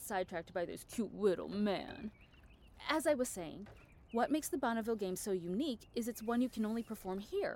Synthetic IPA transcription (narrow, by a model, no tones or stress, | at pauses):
saɪd̚tʰɹ̥æk̚t̚baɪðɪ̰ʊz̥kʰj̥ut̚lɪɾl̩ˠmæ̰̃n | ɨzaɪwʌz̥seɪɪ̰̃ŋ | wʌt̚meɪksðɨbɑñɨvɪlˠɡẽɪ̃msoʊjʉnikɨzɨtswʌ̃njɨkʰɨ̃nõʊ̃nlipʰə˞fɔɹmhiɹ